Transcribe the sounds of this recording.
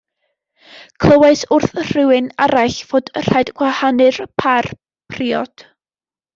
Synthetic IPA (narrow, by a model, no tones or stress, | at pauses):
kʰl̥ˠəwaɨsʊrθr̥ɪwɨnaɾaɬv̥oːd̥r̥ajdɡ̥wahanɨrpʰar | pʰriːɔd̥